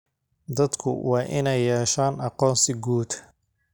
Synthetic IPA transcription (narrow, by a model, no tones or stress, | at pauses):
d̪ɐd̪kʰʊ̰wɑːʔɪnɛjɛːʃaːnʔɑqɔːnsɪɡuːd̪